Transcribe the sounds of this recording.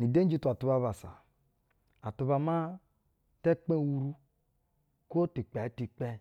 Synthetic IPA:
ni˨de˦n˦d͡ʒi˦tu˨a˨tu˨ba˦βa˨sa̰˨ | a˨tu˨βa˨ma˦ | te˦k͡pẽ˦˨wu˨ɾu˦ | ko˦ti˨k͡pe˨˦ti˨k͡pe˦

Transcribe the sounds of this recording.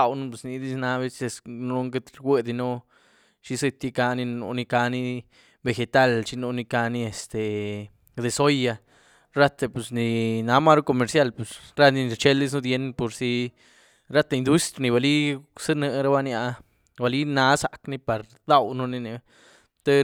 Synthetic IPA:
a˧wnu˦pe˧˨sni˧d̪i˦sna˧βe˦se˧snu˧ɾo˦ŋɡe˦t̪ɾɡwʷe˦d̪i˧no˦ | t͡ʃi˧˦se˧t̪ːi˦ka˧ni˧no̰˧ni˧ka˧ni˦ | be˧xe˧t̪a˦lt͡ʃi˧no˧ni˧ka˧ni˦e˨st̪e˨ | d̪e˧so˦ja˧ | ɾa˦t̪e˧pe˨sni˨na˧ma˦ɾo˦ko˧me˧ɾsja˦lpe˨sɾa˦ni˧n˧t͡ʃe˦ld̪i˦s̬nu˦d̪je˧npo˨ɾsi˧ | ɾa˦t̪e˧ind̪u˦st̪ɾni˧ba˨li˦sɨ˦nɨ˧ɾa˦ba˦nja˧ | ba˨li˦na˧˦sa˨kni˧pa˨ɾ | d̪a˦wnu˧ni˧ne˧ | t̪e˦

